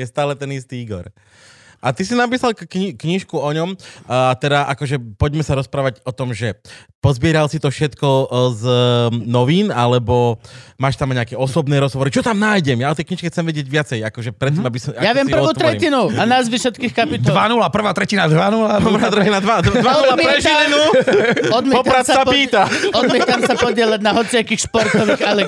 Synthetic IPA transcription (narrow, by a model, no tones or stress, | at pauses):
jɛst̪aːlɛt̪ɛnist̪iiːɡɔ̰ɾ | ʔat̪isinap̬iːsalkkɲikɲiʃkuɔɲɔmt̪ɛd̪aʔakɔʒɛpɔɟmɛsaɾɔspɾaːʋaɟɔt̪ɔmʒɛpɔzbɪɛɾalsit̪ɔfʃɛt̪kɔznɔʋiːnalɛbɔmaːʃt̪amɲɛakɛɔsɔbnɛːɾɔzɦɔʋɔɾit͡ʃɔt̪amnaːjɟɛmjaɔt̪ɛjkɲiʃkɛxt͡sɛmʋɛɟɪɛɟʋɪat͡sɛjakɔʒɛpɾɛt̪ːmabisɔajaʋɪjɛmpr̩ʋuːt̪ɾɛcinuanazʋiʃɔt̪kiːxkapit̪d̪ɔlʋanulapr̩ʋaːt̪ɾɛcinad̪ʋanulamamɾaːt̪ɾɛcinad̪ʋad̪ad̪ʋaɔuapmɛɾɛɛʒilɛnuɔd̪mʲɛpɔt̪pɾat̪sasappiːt̪aɔd̪mɛt̪amsapɔɟɪɛlaɟnaɦɔt͡sɪakiːxʃpɔɾt̪ɔʋiːxalɛ